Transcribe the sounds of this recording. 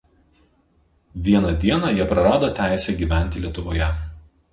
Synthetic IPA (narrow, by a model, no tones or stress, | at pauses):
ʋʲiɛnɐd̪ʲiɛnɑˑjiɛpɾɐɾɑːd̪oːt̪ʲæˑɪsʲɛɡʲiːˑʋʲæˑnʲt̪ʲɪlʲiɛt̪ʊʋoːjɛ